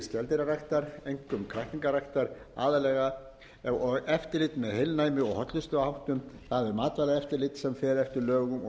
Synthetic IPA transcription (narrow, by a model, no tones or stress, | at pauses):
scɛlt̪ɪɾarajht̪aɾejŋkʏmkʰɾaht̪iŋkaɾajht̪aɾ̥a̰ːðalɛːɣa | ɔɣɛft̪ɪɾlɪt̪mɛðhejlnaːjmɪɔɣhɔt̪lʏst̪ʏahawht̪ʏmθaðvɪmaːt̪vajɾaðɛft̪ɪɾlɪt̪sɛmfɛːɾɛft̪ɪɾlœːɣʏmɔ